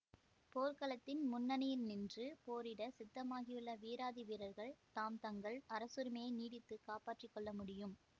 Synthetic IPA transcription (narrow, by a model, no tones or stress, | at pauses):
poːɾkɐlɐt̪ːɪnmʊnːɐnɐjɪlnɪndrɯpoːɾɪɽɐsɪt̪ːɐmaːɣɪjɯɭːɐʋiːɾaːðɪʋɪɾɐɾɣɐɭt̪aːmt̪ɐŋɡɐɭɐɾɐsɯɾɯmeːniːɽɪt̪ːɯkaːpaːʈrɪkːɔɭːɐmʊɽɪjɯm